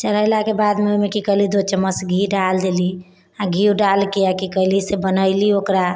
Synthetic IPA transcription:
t͡ʃələɪlakebad̪meomekikəɦlid̪ot͡ʃəməsɡʱiɖald̪eli | aɡʱiuɖalkeakikəɦlisebənəɪliokɾa

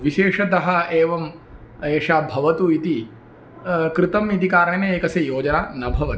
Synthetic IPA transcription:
ʋiʃeːʂɐd̪ɐɦɐeːʋɐm | eːʂaːbʱɐʋɐt̪uit̪i | kɾɪt̪ɐmit̪ikaːɾɐɳeːneeːkɐsejoːd͡ʒɐnaːnɐbʱɐʋɐt̪

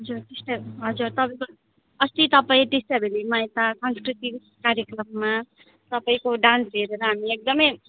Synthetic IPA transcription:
ʌd͡zurt̪esʈeɦʌd͡zurt̪ʌpaĩko | ʌst̪it̪ʌpaĩʈesʈabelimaẽt̪asʌnskrit̪ib | kaɾjekrʌmːa | t̪ʌpaĩkoɖãnsɦeɾeɾʌɦamiek̚d̪ʌmʌj

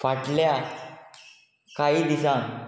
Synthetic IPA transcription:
faʈlja | kaiːd̪isãm

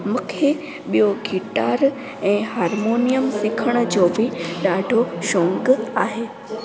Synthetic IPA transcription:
mʊkʰe | ɓijoɡʱiʈaːɾ | ɛ̃ːɦaːɾmoːnijəmsɪkʰəɽ̃ʊ̆d͡ʑoːbɪɗaːɖʱoʃõːŋɡaːɦeː

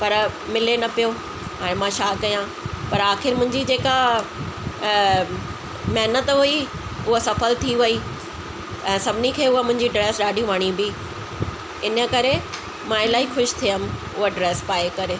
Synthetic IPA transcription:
pɐɾmɪlenɐpijo | ãːmãʃaːkɐjã | pɐɾaːxɪɾmʊ̃ɦɪ̃ɲd͡ʑid͡ʑeːka | mɛɦnət̪ɦʊi | ʊɦosɐfəlt̪ʰiʋɐi | ɛ̃ːsɐbʱɪnikʰeːʊɦomʊ̃ɦɪ̃ɲd͡ʑiɖɾɛːsɗaːɖʱiʋaɽ̃ibi | ɪnə̆kɐɾe | mãɪlaːɦixʊʃt̪ʰijəm̆ | ʊɦoɖɾɛːspaːekɐɾe

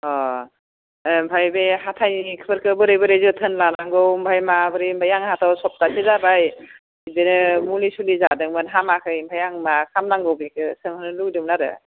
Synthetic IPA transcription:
ɔ | bʱajbeɦatʰajnikʰɯpʰɯɾkʰɯbɯɾejbɯɾezɯtʰɯnlanaŋɡɯwmbʱajmabɯɾimbʱajaŋhatʰawsɔp̚tasʰezabaj | idenɯmulisulizadɯŋmɯnɦamakʰɯjmbʰʱajaŋmakʰamnaŋɡɔwbekʰɯsɯŋhɯnɯludɯmnaɾɯ̰

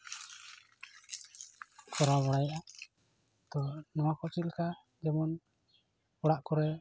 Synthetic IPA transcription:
kɔɾabɔɽajʔa | d̪ɔnɔwakɔt͡ʃit̪̚ka | d͡ʒɛmɔn | ɔɽaʔkɔɾɛ

